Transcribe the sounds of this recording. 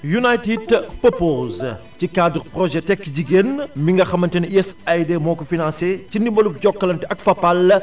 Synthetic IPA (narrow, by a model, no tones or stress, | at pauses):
junajtidpɔpoːzcikaːduɾprɔʒɛtɛkːɟiɡenmiŋɡɐxɐmɐntɛniɛsajdemɔːkɔfinãnsecindimbɐlup̚ɟɔkːɐlɐntɐkfɐpːɐl